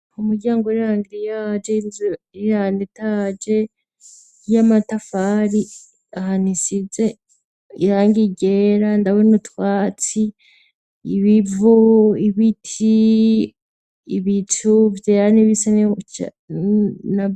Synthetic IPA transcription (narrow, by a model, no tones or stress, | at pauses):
umuɾɟaːŋɡoɾiɾaːŋɡiɾijad͡ʒeiɾaːnditad͡ʒe̞ | jamatafaɾi | ahanisize | iɾaːŋɡiɟeɾandawenutwaːt͡si | iβivuiβitʰi | iβitʰuvjeaniβisanet͡ʃa̰ | na